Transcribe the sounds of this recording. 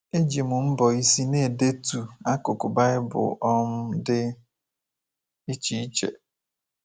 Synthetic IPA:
e˦d͡ʒi˨mʊ˨m̩˦bɔ˨i˦si˦ne˦˨de˦tu˨a˦ko˨kʊ˨ba˦ɪ˦bʊ̰˨ʔɔ˦m̩˦dɪ˦ | i˦t͡ʃi˨˦i˦t͡ʃḛ˨

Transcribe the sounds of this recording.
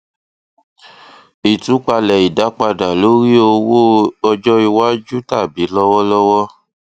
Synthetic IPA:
i˨tũ˨˦k͡pa˧lɛ˨i˨da˨˦k͡pa˧da˨lo˨˦ɾi˦o˧wo˦ɔ˧d͡ʒɔ˦i˧wa˦d͡ʒu˦ta˦˨bi˨˦lɔ˦wɔ˦lɔ˦wɔ˦

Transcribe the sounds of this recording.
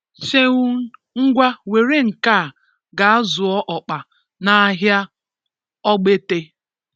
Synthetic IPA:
se˦ŋu˦ | ŋ̩˦ɡʷa˦we˨ɾe˦ŋ̩˨ka˦˨ | ɡa˨a˦zʊ˨ɔ˦ʔɔ˨k͡pa˨ | na˨˦ɦja˦ | ɔ˦ɡ͡be˦te˦

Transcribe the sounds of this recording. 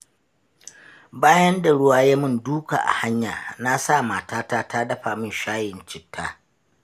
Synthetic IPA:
baː˦jɐ˦nda˨ɽʊ˦waː˦jaː˦mʊ˦˨nduː˦ka̰ː˨ʔa̰˨ha˦ɲjaː˨na˦sa˦˨maː˨taː˦taː˦taː˦dɐ˦ɸaː˨mʊ˦˨nʃaː˦jɪ˨nt͡ʃɪ˨tʰːaː˦

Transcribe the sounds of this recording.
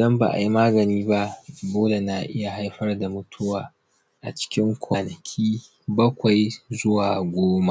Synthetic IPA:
ʔdɐ˦mba̰˨ʔa̰˨ji˦maː˦ɡɐ˨niː˦ba˦ʔboː˦le˨na˨ʔɪ˦ja˨ɦa˦jɸɐ˦rda˨mʊ˦tʰʊ˦waː˨ | ʔa˨t͡ʃɪ̥˦kʲɪ˦ŋkʷʰaː˨nɐ˨kʲʰiː˦ | bɐ˦kʷa˨jzʊ˦waː˨ɡʷoː˦ma˦ʔ

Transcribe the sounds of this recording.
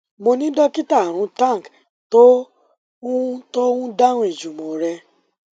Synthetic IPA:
mo˧nĩ˦dɔ˦ki˦ta˦˨ɾ̃ʊ̃˨˦ta˦˨ŋ˨k | to˦ | to˦ũ˦da˦ŋʷ˨e˨d͡ʒu˨mo˨ɾɛ˧

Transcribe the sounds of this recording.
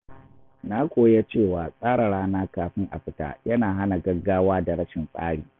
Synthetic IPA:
na˦kʷʼoː˨ja˦t͡ʃeː˦˨waː˨sʼaː˦ɽa˨ɽaː˦naː˦kaː˨ɸɪ˦ŋʔa̰˨ɸɪ˦ta̰ː˦jɐ˦naː˨ɦa˦na˨ɡɐ˦ɡaː˦waː˦da˨ɽɐ˦ʃɪ˨nsʼa̰ː˦ɽiː˨

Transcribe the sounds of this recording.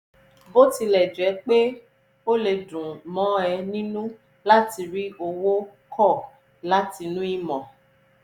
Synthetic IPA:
bo˦ti˧lɛ˨d͡ʒɛ˨˦k͡pe˦ | o˦le˧dũ˨mɔ̃˨˦ɛ˧nĩ˦nũ˦ | la˦ti˧ɾi˦o˧wo˦kʰɔ˦˨ | la˦ti˧nũ˦i˦mɔ̃˨

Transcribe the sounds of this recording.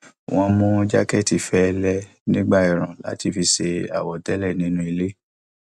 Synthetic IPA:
w̃ɔ̃˧mũ˦d͡ʒa˦kɛ˦˨ti˨fɛ˦˧lɛ˦ | nĩ˦ɡ͡ba˦˨i˨ɾ̃ã˨la̰˨˦ti˧˨fi˧ʃe˧a̰˨wɔ˨dɛ˦lɛ˦˨nĩ˦nũ˦i˧le˦

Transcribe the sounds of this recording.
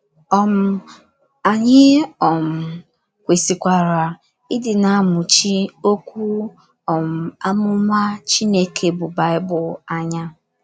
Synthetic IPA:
ɔ˨m̩˨ | a˨ɲɪ˦ɔ˨m̩˨ | kʷe˨si˨kʷa˨ɾa˨ | ɪ˦dɪ˨na˨˦˨mʊ˨t͡ʃi˦o˦kʷu˦ | ɔ˨m̩˨a˦mʊ˦ma˦t͡ʃi˦ne˦kʰe˨bʊ˨ba˨ɪ˦bʊ˨a˦ɲa˦

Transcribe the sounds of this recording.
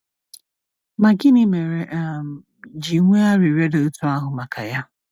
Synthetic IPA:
ma˨ɡɪ˦nɪ˦me˨ɾe˨ʔm˨ | d͡ʒi˨ŋʷe˦a˦ɾi˨ɾe˦do˨u˦tu˦a˦ɦʊ˨ma˨ka̰˨ja˦

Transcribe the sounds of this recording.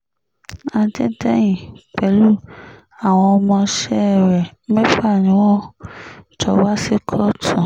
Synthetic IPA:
ã˧d͡ʒɛ˦dɛ˦j̃ĩ˨k͡pɛ˨˦lu˦ | a˨w̃ɔ̃˧ɔ˧mɔ̃˧ʃɛ˦˨ɾɛ˨˦mɛ̃˦fa˦˨nĩ˨˦w̃ɔ̃˦ | t͡ʃɔ˧˦wa˦si˦kʰɔ˦tʰɔ̃˨

